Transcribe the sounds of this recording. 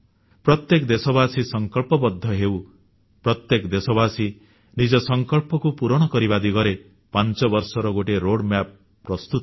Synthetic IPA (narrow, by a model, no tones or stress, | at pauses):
pɾɔt̪jekd̪esɔbasisɔŋkɔɭpɔbɔd̪ʱːɔɦew | pɾɔt̪jekd̪esɔbasi | nid͡ʒɔsɔŋkɔɭpɔkupuɾɔɽ̃ɔkɔɾibad̪iɡɔɾe | pant͡ʃɔbɔɾsɔɾɔɡoʈeɾoɽmap̚ː | ɾɔst̪ut̪